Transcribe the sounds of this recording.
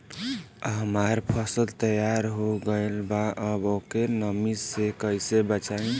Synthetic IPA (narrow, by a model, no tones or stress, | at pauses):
ɦəmaɾpʰəsəlt̪əjaɾɦoɡəelbaʔəbokenəmizsekəjsebət͡ʃaĩ